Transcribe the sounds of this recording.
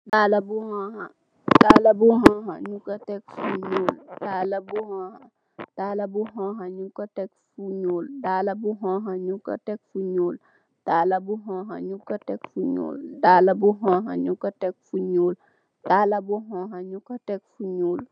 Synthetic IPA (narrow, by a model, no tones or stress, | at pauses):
daːlabuhõha | dalabuɦɔ̃ɦaɲukatek̚fuɲoːldalabuhõha | d̥alabuɦõɦaɲukatekfuɲoːldaːlabuɦɔ̃ɦaɲukːa̰tek̚fuɲoːl | d̥alabuɦõɦa̰ɲukːatekfuɲo̰ːldalabuɦõɦa̰ɲukatek̚fuɲoːl | dalabuɦɔ̃ɦaɲukatekfuɲoːl